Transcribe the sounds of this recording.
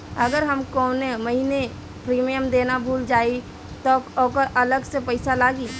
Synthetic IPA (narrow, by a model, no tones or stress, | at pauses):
əɡəɾɦəmkɔːneməɦine | pɾiːmijəmd̪eːnabʱuːld͡ʒaːi | t̪ɔɔkəɾʔɐləɡsepəɪsalaːɡiː